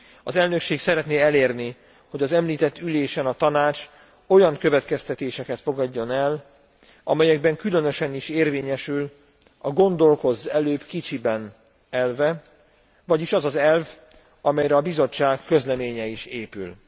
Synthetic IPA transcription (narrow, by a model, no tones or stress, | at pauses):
ɒzɛlnø̞kʃeːksɛɾɛt̪neːɛleːrni | ho̞ɟɒzɛmliːt̪ɛt̪ːyleːʃɛnɒt̪ɒnaːt͡ʃ | o̞jɒŋkø̞vɛt̪kɛst̪ɛt̪eːʃɛkɛt̪fo̞ɡɒɟːo̞nɛl | ʔɒ̰mɛjɛɡ̚bɛŋkylø̞nø̞ʃɛniʃeːrveːɲɛʃyl | ɒɡo̞nd̪o̞lko̞zɛløːbkit͡ʃibɛn | ɛlvɛ | vɒɟiʃɒzɒzɛlv | ɒmɛjɾɛɒbizo̞t͡ʃːaːkːø̞zlɛmeːɲɛiʃeːpy̰l